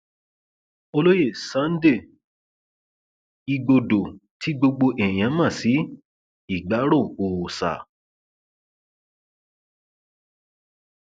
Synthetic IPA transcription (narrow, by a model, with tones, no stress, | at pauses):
o˧lo˦je˦˨sã˨˦n̩˦de˦˨ | i˧ɡo˧do˨tʰi˨˦ɡ͡bo˧ɡ͡bo˧ʔɛ˨j̃ã˨˦mã˦˨si˨˦ | i˦˨ɡ͡ba˨˦ɾo˦˨o˨sa̰˨